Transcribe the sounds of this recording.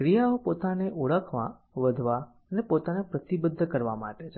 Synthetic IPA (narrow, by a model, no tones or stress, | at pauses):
kɾijaopot̪aneʔuɭəkʰmã̰ | ʋəd̪ʱʋa | ənepot̪anepɾət̪ibəd̪ʱːəkəɾʋa̰ma̰ʈet͡ʃʰe